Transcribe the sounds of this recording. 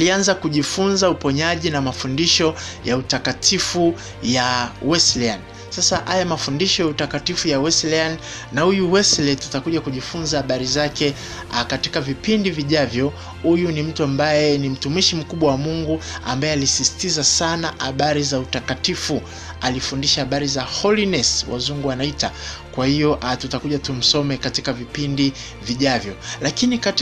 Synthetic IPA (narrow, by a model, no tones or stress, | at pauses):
lianzakuʄifunzaupɔɲaʄinamafundiʃɔjautakatʰifu | jawɛslɛan | sasaʔajamafundiʃɔjautakatifujawɛslian | nahujuwɛslɛtatakuʄakuʄifunzahaɓaɾizakɛ | katikavipindiviʄavjɔ | hujunim̩tuambajɛnim̩tumiʃim̩kuɓwawamuŋɡua̰mbajɛalisisi̥tizasanaʔhaɓaɾizautakatifu | alifundiʃahaɓaɾizahɔlinɛswʔa̰zuŋɡuanaita | kwahijɔʔatutakuʄatum̩sɔmɛkatikavipindi | viʄavjɔlakinikat